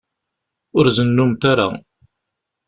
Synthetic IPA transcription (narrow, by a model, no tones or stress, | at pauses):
ʊɾzənːumt̪aɾa̰